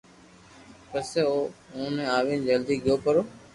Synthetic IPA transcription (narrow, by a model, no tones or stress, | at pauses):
pəseoːõːnẽːaːʋẽːnd͡ʒəld̪ʱiːɡɪjoːpəɾoː